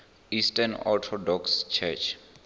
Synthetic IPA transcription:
istanɔ̰tʰɔdɔkst͡ʃʰɛt͡ʃʰ

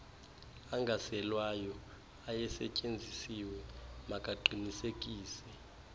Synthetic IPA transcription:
aŋɡʱasɛlwajɔ | ajɛsɛ̰cʼend͡zʱisiwɛmakʼaǃʱinisek̬ʼiːsɛ

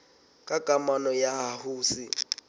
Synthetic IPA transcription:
kʼakʼamanɔjaɦahuːsi

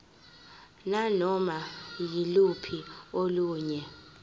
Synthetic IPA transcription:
nanɔmajilupʰioluːɲɛ

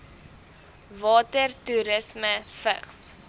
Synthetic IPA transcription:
vɑːtərtuɾəsməfə̰χs

